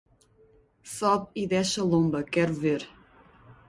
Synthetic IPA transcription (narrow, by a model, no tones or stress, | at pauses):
sɔβiðɛʃɐlˠõmbɐkɛɾuveɾ